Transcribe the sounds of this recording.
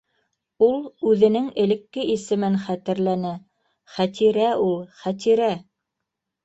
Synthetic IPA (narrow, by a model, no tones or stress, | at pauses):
ulˠʉðɘ̆nɘŋɘ̆lɘ̆kːɘʔisɘ̆mɘnχæt̪ɘ̆ɾlænæ | χæt̪ʰiɾæulˠχæt̪̬iɾæ